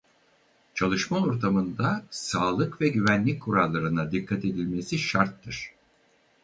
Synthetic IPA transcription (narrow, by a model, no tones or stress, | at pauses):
t͡ʃʰalˠɯʃmaoɾt̪ʰamɯnd̪asaːlˠɯkvɛɟyvænlʲic̚ʲkʰuɾalˠːaɾɯnad̪ikʰːat̪e̞d̪ilʲme̞siʃaɾt̪ʰːɯɾ̥